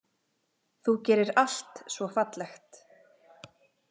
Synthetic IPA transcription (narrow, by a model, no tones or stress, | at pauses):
θucɛːɾɪɾal̥t̪svɔfat̪lɛxt̪